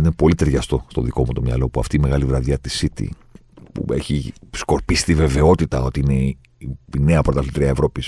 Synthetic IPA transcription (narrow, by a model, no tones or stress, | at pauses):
inepo̞lit̪e̞ɾʝɐst̪o̞st̪o̞ðiko̞mut̪o̞mɲɐ̰lo̞puɐ̰ft̪iːme̞ɣɐlivɾɐðjɐt̪isit̪ḭ | pṵe̞̰çisko̞ɾpisi̥t̪ive̞ve̞o̞t̪it̪ɐo̞t̪iine̞ | iine̞ɐpoɾot̪ɐlit̪ɾiɐevɾo̞pis